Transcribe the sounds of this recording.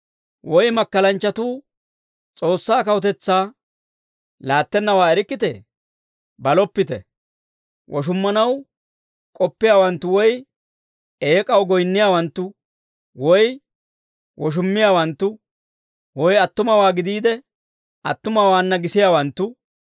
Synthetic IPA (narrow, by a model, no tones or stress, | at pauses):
wɔjmɐkːɐlɐnt͡ʃːɐt̪uː | t͡sʼo̞ːsːaːkɐwʊt̪ɛt͡sːaː | laːt̪ːɛnːɐwaːɛɾɪkʼːɪt̪ɛ̰ | bɐlɔpːɪt̪ɛ̰ | wʔɔʃ̬ʊmːɐnɐw | kʼɔpːɪjaːwɐnt̪ːʊwɔj | e̞ːkʼɐwɡɔjnːɪjaːwɐnt̪ːʊ | wɔj | wɔʃ̬ʊmːɪjaːwɐnt̪ːʊ | wɔjɐt̪ːʊmɐwaːɡɪd̪iːd̪ɛ | ʔɐt̪ːʊmɐwaːnːɐɡɪsɪjaːwɐnt̪ːʊ